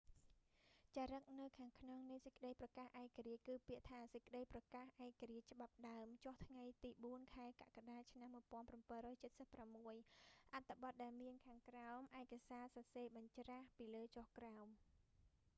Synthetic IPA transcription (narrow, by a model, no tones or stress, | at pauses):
t͡ɕaːɾək̚nɨwkʰaːŋkʰnoŋnɨsəc̚kəɗəjprɑkaːhʔaɛkaɾiəc̚kɨːpiəʔt̪ʰaːsəc̚kə̆ɗəjprɑkaːhʔaɛkaɾiəc̚t͡ɕə̆ɓap̚ɗaəmt͡ɕoht̪ʰŋajt̪iːɓuənkʰaɛka̰ʔkaɗaːt͡ɕʰnamːuəjpŏənprampənrɔːjt͡ɕət̪̚səpːramːuəjʔat̪ʰːɨɓɑt̪̚ɗaɛlmiənkʰaːŋkraɔmʔaɛkasaːsɑseːɓɑɲt͡ɕraːhpiːləːt͡ɕohkraɔm